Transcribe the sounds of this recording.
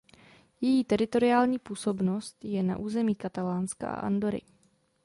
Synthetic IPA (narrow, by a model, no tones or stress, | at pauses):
jɛjiːt̪ɛɾɪt̪o̞ɾɪaːlɲiːpuːso̞bno̞st̪jɛna̰ʔuːzɛmiːkat̪alaːnska̰ʔa̰ʔa̰ndo̞ɾɪ̰